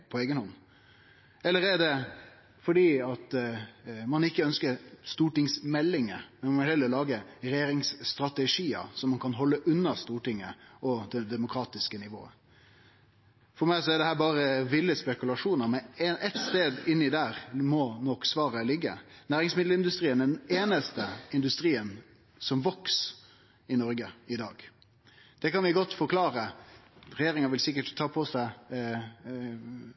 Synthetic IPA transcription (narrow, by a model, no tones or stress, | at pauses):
pʰɔeːɡənhɔnː | ɛlːəɾɛɖɛ | fɔɖiːɑt̪ | mɑnɪkːəœnskəɾst̪uːʈɪŋsmɛlːɪŋəmɛnmɔɪhɛlːəɾlɑːɡəɾɛjeːɾɪŋsst̪ɾɑt̪ɛʂiːə̰sɔmːɑnkʰɑnɦɔlːəʔʉnːəst̪uːʈɪŋːə̰ɔd̪ɛd̪ɛmʊkʰɾɑːt̪ɪskənɪʋo̰ːə̰ | fɔɾmæɪsɔɛɖ̪ɛhæːɾbɑːɾəʋɪlːəspɛkʉlɑʂuːnəɾmɛnʔɛt̪st̪eːd̪ɪnːɪd̪æːɾmɔnɔksʋɑːɾəlɪɡːə̰næːɾɪŋsmɪd̪l̩ɪnd̪ʉst̪ɾiːənɛneːnəst̪əɪnd̪ʉst̪ɾiːən | sɔmʋɑks | ɪnɔɾɡəɪd̪ɑ̰ːɡ | d̪̥ɛkɑnʋɪɡɔt̪ːfɔɾkʰlɑːɾə | ɾɛjeːɾɪŋəʋɪlsɪk̬ːəʈt̪ʰːɑːpʰɔsæɪ